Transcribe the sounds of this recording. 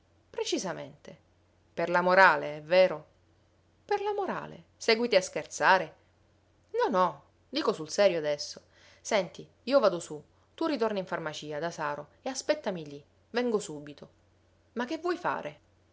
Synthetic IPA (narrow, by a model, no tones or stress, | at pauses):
pɾet͡ʃizamḛnt̪e | perlamoɾaːleɛvːeːɾo | perlamoɾa̰ːlḛ | sɛːɡwit̪iaskert̪saːɾe | nɔnɔ | d̪iːkosulsɛːɾjoad̪ɛsːo | sɛnt̪i | iːovaːd̪osu | t̪urːit̪̬orniɱfarmat͡ʃiːad̪asaːɾoeaspɛt̪ːamiʎi | vɛŋɡosuːbit̪o | mak̟ːevːwɔjfa̰ːɾʔe